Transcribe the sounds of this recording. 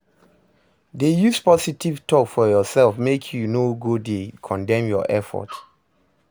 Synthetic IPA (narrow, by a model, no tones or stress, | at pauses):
dejuspɔsitivtʰɔkfɔjɔsɛlfmekʰjunoɡodekʰɔ̃ndɛ̃mjɔ̰ʔɛfɔ̰t